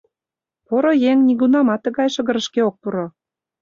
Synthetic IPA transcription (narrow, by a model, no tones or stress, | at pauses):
poɾojeŋnʲiɡunɑmɑt̪ːɤ̆ɣɑjʃə̆ɣə̆ɾə̆ʃkeok̚puɾo